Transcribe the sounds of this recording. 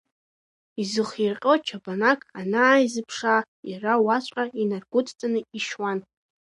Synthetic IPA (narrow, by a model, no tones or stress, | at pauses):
izɨχirqʲʼot͡ʃʰabanakʼanaːizɨpʰʂa | jirawat͡ɕʷʼqʼainarɡʷʊtʰʼt͡sʼanɨiʃwan